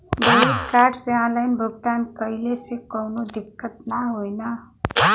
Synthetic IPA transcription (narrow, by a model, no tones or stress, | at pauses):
bʌit̪karɖseãlajnbʱuɡt̪ankʌjlesekʌwnod̪ikːʌt̪̚naɦojnʌ